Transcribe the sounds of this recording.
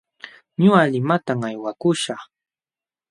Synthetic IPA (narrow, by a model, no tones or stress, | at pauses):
ɲʊalɪmat̪aŋajwakʊʃaχ